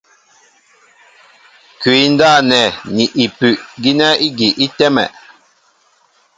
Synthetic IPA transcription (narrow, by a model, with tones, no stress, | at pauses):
kɥi˨˦n̩˦daː˦˨nɛ˨ni˨ʔi˨pʉ˨ʔɡi˦nɛ˦i˦ɡi˨ʔi˦tɛ˦mɛ̰˨ʔ